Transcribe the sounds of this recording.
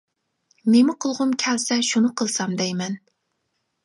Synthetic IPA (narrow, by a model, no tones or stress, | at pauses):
nemɪqʰəlˠʁʊmkʲʰɛlsɛʃunɨqʰəlˠsɑmd̪ɛjmɛn